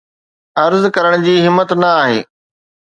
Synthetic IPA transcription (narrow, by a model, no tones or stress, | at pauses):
ɐɾzkɐɾəɽ̃d͡ʑiːɦɪmːət̪nɐaːɦḛː